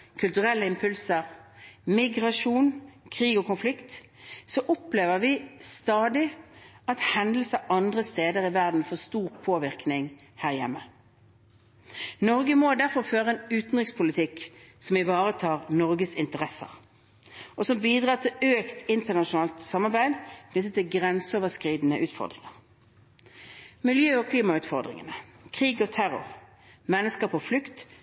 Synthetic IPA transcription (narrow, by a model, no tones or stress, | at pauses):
kʰʉlt̪ʉʁɛlːəɪmpʰʉlsəʁmɪɡʁɑʂuːnkʰʁiːɡɔkʊnflɪkt̪ | sɔʔɔpleːʋəʁʋɪst̪ɑːd̪ɪ | ɑt̪hɛnd̪l̩səɑnd̪ʁəst̪eːd̪əʁɪʋæʁd̪n̩fɔʁst̪uːʁpʰoːʋɪʁknɪŋ | hæːʁjɛ̰mːə | nɔʁɡəmod̪æʁfɔʁføːʁəɛnʉːt̪n̩ʁɪkspʰʊlɪt̪ʰɪksɔmɪʋɑːʁət̪ʰɑːʁnɔʁɡəsɪnt̪əʁɛsə̰ʁ | ʔɔsɔmbiːd̪ʁɑːʁt̪ʰɪløːkt̪ɪnt̪əʁnɑʃʊnɑːlt̪sɑmːɑʁbæɪd̪kʰnɪt̪̬ət̪ʰɪlɡʁɛnsəoːʋəskʁiːd̪n̩əʔʉːt̪fɔ̰ʁd̪ʁɪ̰ŋəʁ | mɪljøːɔkʰliːmɑʉːt̪fɔʁd̪ʁɪ̰ŋənəkʰʁiːɡɔt̪ʰæʁʊ̰ʁ | mɛnːəskɑpɔflʉkt̪